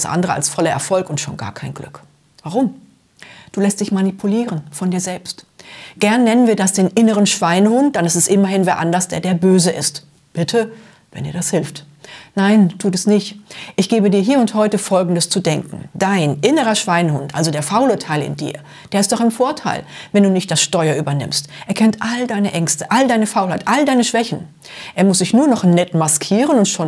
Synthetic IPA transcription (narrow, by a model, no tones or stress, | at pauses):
sʔa̰ndəʁəa̰lsfɔlɐʔɛ̰ɐfɔlkʊntʃo̰ːnɡa̰ːɐkʰaɪnɡlʏ̰k | v̥aʁ̞ʊm | d̥uːlɛstd̥ɪçmanipʰuliːʁənfɔndiːɐzɛlpstɡ̥ɛɐnːɛnənviːɐdasd̥eːnʔɪnəʁ̞ənʃv̥aɪnəhʊnt̚d̥anɪstɛstʔɪmɐhɪnveːɐʔandɐsd̥ḛːɐdeːɐbøːzəʔɪ̰st | b̥ɪtʰə | vɛ̰ndiːɐdashɪlft | naɪntʰuːtɛsnɪçtʔɪçɡ̥eːbədiːɐɦiːɐʊnthɔʏtəfɔlɡŋ̩dəst͡sudɛŋkŋ̩d̥aɪnʔɪnəʁɐʃv̥aɪnhʊntʔa̰lzodeːɐfaʊlətʰaɪlɪ̰ndḭːɐ | d̥eːɐɪstd̥ɔχɪmfoːɐtʰa̰ɪlvɛnduːnɪçt̚d̥asʃtɔʏɐʔyːbɐnɪ̰mstʔeːɐkʰɛntʔaldaɪnəʔɛŋstə̥ʔaldaɪnəfaʊlhaɪtʔaldaɪnəʃv̥ɛçn̩ | ʔeːɐmʊsz̥ɪçnuːɐnɔχnnɛtmaskʰiːʁ̞ənʊntʃoːn